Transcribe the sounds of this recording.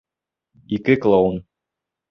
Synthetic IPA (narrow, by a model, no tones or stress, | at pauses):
ikɘklˠon